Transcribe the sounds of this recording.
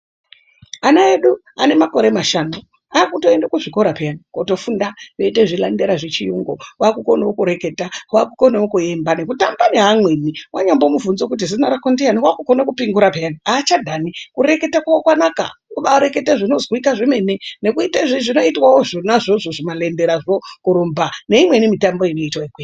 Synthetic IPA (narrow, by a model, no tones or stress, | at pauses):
anaeɗu | ane̞mako̞ɾe̞maʃaːno | aːkuto̞e̞ndakuʐiko̞ɾape̞janikoto̞fundajo̞iteʐilandeɾaʐet͡ʃijuŋɡowakukonaokuɾe̞ke̞tawakuko̞nawokue̞mbane̞kutambaneɦamweniwʔaɲambo̞muvunzok̬ut̬izinaɾakondeaniwakukonakupiŋɡuɾapejaniaːt͡ʃadʱanikuɾe̞ke̞takwawokwanaka̰uɓaɾe̞ke̞taʐino̞zwikaʐeme̞nene̞kuitaʐiʐino̞itwawoʐonaʐoʐoʐimale̞ndeɾaʐokuɾombane̞imwe̞nimitambo̞ino̞itwaeɡwe